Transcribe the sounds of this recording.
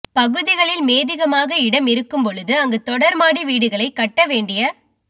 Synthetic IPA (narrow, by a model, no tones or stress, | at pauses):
pɐɣɯðɪɣɐɭɪlmeːðɪɣɐmaːɣɐɪɽɐmɪɾɯkːɯmpɔɭɯðɯɐŋɡɐt̪ɔɽɐɾmaːɽiʋiːɽɯɣɐɭɐɪkːɐʈːɐʋeːɳɖɪjɐ